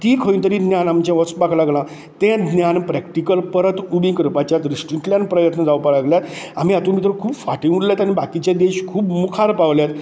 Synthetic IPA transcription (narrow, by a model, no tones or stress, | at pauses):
t̪iːkʰəint̪əɾiːd̪njanamt͡ɕãʋət͡sbaklaɡlã | t̪ɛ̃d̪njanpɾɛkʈikəlpəɾət̪ubĩkɾəpat͡ɕjat̪ɾisʈiʈljanpɾəjət̪nəd͡zaʋwpalaɡljat̪am̤iat̪umit̪ɾəkʰuːbfaʈĩuɽljat̪añibakit͡ɕjad̪eɕkʰuːbmukʰaɾpaʋljat̪